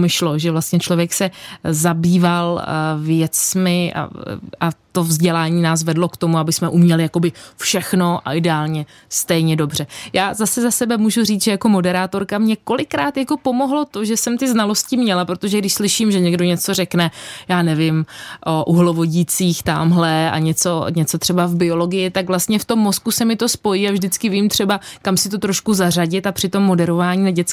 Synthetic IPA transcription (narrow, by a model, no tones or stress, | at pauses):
mɪʃloʒɛvlast̪ɲɛt͡ʃlo̞vjɛksɛzabiːvalvjɛt͡smɪʔa̰ʔat̪o̞vzɟɛlaːɲiːnaːs̬vɛdlo̞kt̪o̞muabɪsmɛʔumɲɛlɪjako̞bɪfʃɛxno̞ʔa̰ʔɪdɛaːlɲɛ | st̪ɛjɲɛdo̞br̝̥ɛjaːzasɛzasɛbɛmuːʒuriːt͡sʒɛjako̞mo̞dɛɾaːt̪o̞ɾkamɲɛko̞lɪkɾaːt̪jako̞po̞mo̞ɦlo̞t̪o̞ʒɛsɛmt̪ɪznalo̞scɪmɲɛlapɾot̪o̞ʒɛɡdɪʃslɪʃiːmʒɛɲɛɡdo̞ɲɛt͡so̞r̝ɛknɛjaːnɛvɪmʔoʔuɦlovo̞ɟiːt͡siːxt̪amɦlɛa̰ɲɛt͡so̞ɲɛt͡so̞t̪r̥ɛbavbɪo̞lo̞ɡɪjɪt̪akvlast̪ɲɛft̪o̞mːo̞skusɛmɪt̪o̞spo̞jiːavʒdɪt͡skɪviːmt̪r̝̥ɛbakamsɪt̪o̞t̪ɾoʃkuzar̝aɟɪt̪apr̥ɪt̪o̞mːo̞dɛɾo̞vaːɲiːnaɟɛt͡s